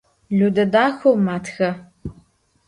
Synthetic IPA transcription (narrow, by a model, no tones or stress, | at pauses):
ɮudɐdaːxowmaːtʰxɐ